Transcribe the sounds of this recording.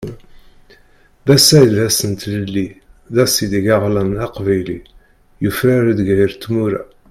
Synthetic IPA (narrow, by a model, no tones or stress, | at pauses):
ðæsːæjəlæsənt̪ləlːiðæsid̪iɡæʁlænɑqvæjli | jəfɾæɾəd̪ɡæjəɾt̪ːmuɾæ̰